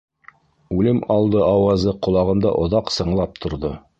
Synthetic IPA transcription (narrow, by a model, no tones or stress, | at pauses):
ʉlɘmɑlˠd̪ɤɑwɑzɤqŏlˠɑʁɤ̆md̪ɑ̰ʔŏðɑqsɤ̆ɴlˠɑp̚t̪ʰŏɾðo